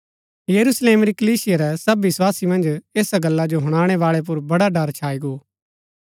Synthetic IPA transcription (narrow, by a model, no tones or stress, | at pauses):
jɐɾusleːmɾikəliːsɪjaɾɛsɐbiɪswaːsimɐ̃nd͡ʒeːsaɡɐlːad͡ʒoɦʊɽ̃aːɽ̃eʋaːɭep̬ʊɾbɐɽaɖəɾt͡ʃʰaːiɡoː